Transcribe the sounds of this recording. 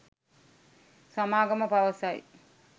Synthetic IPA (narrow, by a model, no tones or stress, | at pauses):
samaːɡɐməpaʋəsaj̰